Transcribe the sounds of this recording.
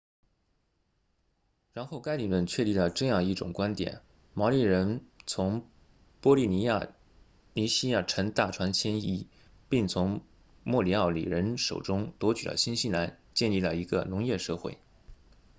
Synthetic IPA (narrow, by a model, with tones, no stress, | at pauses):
ɻa˧˥nxo˥˩ʊka˥ɪli˨˩lwə˥˧nt͡ɕʰɥɛ˥˧li˥˩lə˩ʈ͡ʂɤ˥˧jɑ˥˧ŋi˥˩ʈ͡ʂʊ˨˩ŋkwa˥nt̪jɛ̰˨˩˦n | mɑ˧˥li˥˩ɻə˧˥nt͡sʰʊ˧˥ŋ | pwɔ˥li˥˩ni˧˥a˥˩ | ni˧˥ɕi˥ja˥˩ʈ͡ʂʰə˧˥ŋt̪a˥˩ʈ͡ʂʰwa˧˥nt͡ɕʰjɛ˥ni˥˩ | pi˥˩ŋt͡sʰʊ˧˥ŋ | mwɔ˥˩li˧˥ɑ˥˩ʊlḭ˨˩ɻə˧˥nʂo˨˩ʊʈ͡ʂʊ˥ŋt̪wɔ˧˥t͡ɕy˨˩d̪ə̰˧˦ɕi˥nɕi˥na˧˥nt͡ɕjɛ˥˧nli˥˩lə˩i˧˥ɡə˧nʊ˧˥ŋjɛ˥˧ʂɤ˥˧xwḛ˥˩ɪ